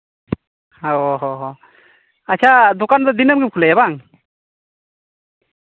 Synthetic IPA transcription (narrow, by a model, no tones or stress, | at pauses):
ɔɦɔɦɔ | at͡ʃʰad̪ɔkand̪ɔd̪inəmɡɯp̚kʰulɛɛbaŋ